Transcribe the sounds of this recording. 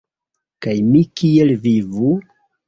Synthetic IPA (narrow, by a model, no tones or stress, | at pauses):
kajmikielvivu